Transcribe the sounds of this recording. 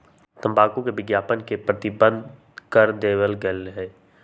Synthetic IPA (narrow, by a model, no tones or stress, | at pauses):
t̪ə̃mbaːkũkebɪɡjaːpənkepɾət̪ɪbə̃nd̪ | kəɾd̪eːwəlɡɛlɦɛː